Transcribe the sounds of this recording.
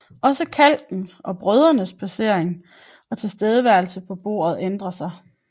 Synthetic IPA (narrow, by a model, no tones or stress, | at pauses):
ɒ̽səkʰæl̰d̥n̩ʔɒ̽b̥ʁœð̞ˠɐnəspʰæse̝ɐ̰eŋ | ɒ̽t͡sʰe̝lsd̥eːð̞ˠəʋæɐlsəpʰɒ̽b̥o̝ːɐ̰ð̞̩ˠend̥ʁɐsɑ̈ɪ